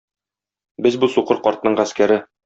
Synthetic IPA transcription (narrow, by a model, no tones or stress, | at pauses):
bɘzbusuqɤɾqɒɾt̪̚nɤɴʁæskæɾɘ